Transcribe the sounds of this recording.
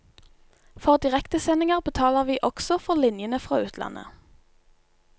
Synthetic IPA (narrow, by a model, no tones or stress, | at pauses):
fɔʁd̪ɪʁɛkt̪əsɛnɪŋəʁbət̪ʰɑːləʁʋiːʔɔɡ̥sɔfɔʁlɪnjənəfʁɑ̰ːʉːt̪ʰlɑ̰nʔə̰